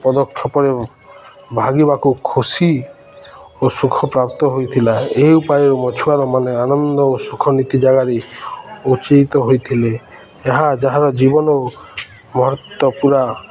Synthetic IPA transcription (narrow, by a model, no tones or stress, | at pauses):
pɔd̪ɔkʰːjɔpɔɾe | bʱaɡibakukʰosi | osukʰɔpɾap̚t̪ɔɦojt̪ʰilaeupajɔɾɔmɔt͡ʃʰuaɾɔmaneanɔnd̪ɔosukʰɔnit̪id͡ʒaɡaɾeut͡ʃijt̪ɔɦojt̪ʰile | eɦad͡ʒaɦaɾɔd͡ʒibɔnɔ | mɔɦɾɔt̪ːɔpuɾa